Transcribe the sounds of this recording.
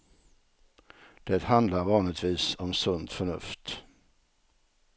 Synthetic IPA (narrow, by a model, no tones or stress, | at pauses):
d̪̥ɛt̪hand̪laɾvɑːnɪt̪viːsɔmsɵnd̪fœɳɵ̰ft̪